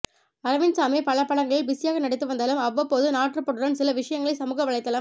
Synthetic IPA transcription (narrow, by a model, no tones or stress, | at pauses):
ɐɾɐʋɪnsaːmeːpɐɭɐpːɐɽɐŋɡɐɭɪlbɪsɪjaːɣɐnɐɽɪt̪ːɯʋɐnd̪aːlɯmɐʋːɐpːoːðɯnaːʈrɯpɔɽɯɾɐnsɪlɐʋɪʂɐjɐŋɡɐɭɐɪsɐmuːɣɐʋɐɭɐɪt̪ːɐːlɯm